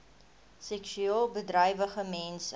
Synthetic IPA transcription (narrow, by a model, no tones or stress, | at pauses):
sɛkʃyelˠbədrəjvəχəmɛns